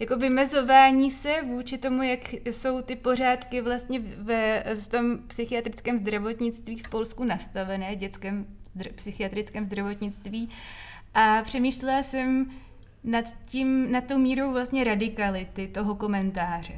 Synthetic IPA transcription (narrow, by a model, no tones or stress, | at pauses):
jako̞vɪmɛzo̞vaːɲiːsɛvuːt͡ʃɪt̪o̞mujakso̞wt̪ɪpo̞ɾ̝aːt̪kɪvlast̪ɲɛvɛft̪o̞mpsɪxɪat̪ɾɪt͡skɛːmzd̪ɾavo̞t̪ɲɪt͡st̪viːfpo̞lskunast̪avɛnɛːvɟɛt͡skɛːm | apsɪxɪat̪ɾɪt͡skɛːmzd̪ɾavo̞t̪ɲɪt͡st̪viː | ʔapr̝̥ɛmiːʃlɛlasɛm | nat̪cimnat̪̚t̪ːo̞wmiːɾo̞wvlast̪ɲɛɾadɪkalɪt̪ɪt̪o̞ɦo̞ko̞mɛnt̪aːr̝ɛ